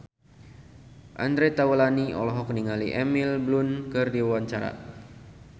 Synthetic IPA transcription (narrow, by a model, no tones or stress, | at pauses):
ʔand̪ɾet̪awəlaniɔ̰lɔɦɔkniŋaliʔɛmilblunkɨrdiawaɲt͡ʃaɾa̰